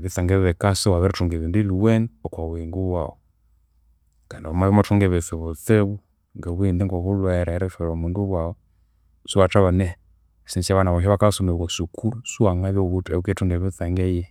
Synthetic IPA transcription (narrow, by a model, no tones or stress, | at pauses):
βiθaŋɡɛβɛkasɔwaβɛɾɛtuŋɡɛβindiliwɛnɔkwawɛŋɡuwa̰ɔ | kandiɔmaβimɔtuŋɡɛβɛθɛβɔθɛβu | ŋɡɛβwindiŋɡɔβulwɛɾaɛɾɛfɛɾɔmunduwaɔ | suat͡ʃaβanɛ | sinsaβanaβɔɦɛβakasɔmɛwɔsukuɾusuaŋaβjɔβutɛukɛtuŋɡɛβiθaŋɡɛjɛ